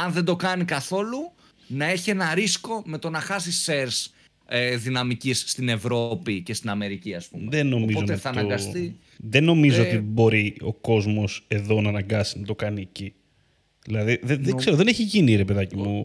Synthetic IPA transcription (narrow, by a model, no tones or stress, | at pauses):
ɐnðe̞nd̪o̞kɐnikɐθo̞lu | nɐeçie̞nɐɾisko̞me̞t̪o̞nɐxɐsise̞ɾs | eðinɐmicisːt̪ine̞vɾo̞pice̞st̪inɐme̞ɾiciɐspṵmðenːo̞omizoot̪eθɐːnnɐɡɐst̪i | ðenːo̞mizoot̪ibo̞ɾio̞ko̞zmo̞se̞ðo̞nɐːnɐŋɡɐsinɐt̪o̞kɐnieci | ðilɐðiðeðeɡseɾoðeneçiʝiniɾe̞pe̞ðɐcimu